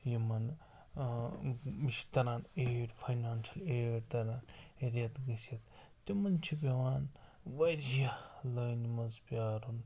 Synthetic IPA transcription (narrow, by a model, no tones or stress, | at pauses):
jimɐn | iʃt̪ɐɾaːneːɽpʰɐjnaːnʃɐleːɽt̪ɐɾaːneɾɐt̪ɡɐsɐt̪ | t̪imɐnt͡ʃʰibʲɐʋaːn | ʋɐɾjɐləjnmɐzpʲjaːɾun